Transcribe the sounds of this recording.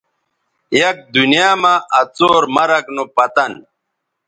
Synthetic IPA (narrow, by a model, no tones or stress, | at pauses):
jɐk̚d̪unijaːmaʔɐt͡soːɾmɐɾɐknopɐt̪ɐn